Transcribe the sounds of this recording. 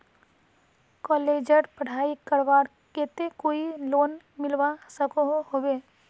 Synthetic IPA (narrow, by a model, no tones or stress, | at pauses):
kɔːleːd͡ʒəɾpəɽ̤aːikəɾʋaːɾ | ket̪ekoːiloːn | mɪlʋasəkoɦɦoweː